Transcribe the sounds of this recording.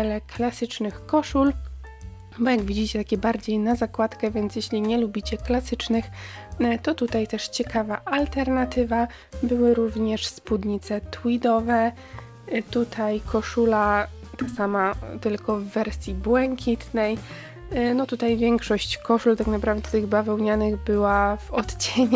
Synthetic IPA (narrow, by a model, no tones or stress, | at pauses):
ɛlɛkʰlasɘt͡ʂnɘxkɔʂul | bɔjaɡvʲid͡ʑit͡ɕɛt̪akʲɛbaɾd͡ʑejnazakwat̪kɛvʲjɛnt̪sʲjeɕlʲiɲɛlubʲit͡ɕɛklasɘt͡ʂnɘxt̪ɔt̪ut̪ajt̪ɛʂt͡ɕɛkavaʔalt̪ɛɾnat̪ɘva | bɘwɘɾuvɲɛʂspud̪ɲit̪sɛt̪wid̪ɔvɛ | t̪ut̪ʰajkʰɔʂulat̪asamat̪ɘlkɔvːɛɾsʲjibwɛŋkʲʰit̪nɛj | nɔt̪ut̪ajvʲjɛŋkʂɔɕt͡ɕkɔʂult̪aknapɾavd̪ɛt̪ɘɣbavɛwɲanɘɣbɘwavɔt̪t͡ɕeɲ